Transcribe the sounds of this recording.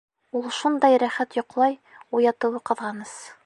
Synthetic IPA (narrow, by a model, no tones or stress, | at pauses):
ulˠʃund̪ɑjɾæχæt̪jŏqlˠɑj | ujɑt̪ɤ̆wɤqɤ̆ðʁɑnɤs